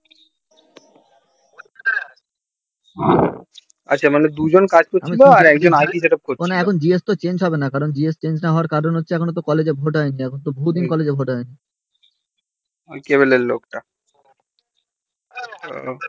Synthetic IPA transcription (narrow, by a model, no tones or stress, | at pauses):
a̰tːt͡ɕʰamaned̪ud͡ʑonkad͡ʑkoɾamiiloaɾɛkd͡ʑonajʈiʃeʈap̚konaɛkʰond͡ʑiest̪ot͡ɕend͡ʑɦɔbenakaɾond͡ʑiest͡ɕend͡ʑnaɦɔoaɾkaɾonɦotːɕʰeɛkʰonot̪̬okɔled͡ʑebʱoʈɦɔeniɛkʰonot̪̬obʱod̪inkɔled͡ʑebʱoʈɦɔeni | keβolelːokʈa | o̰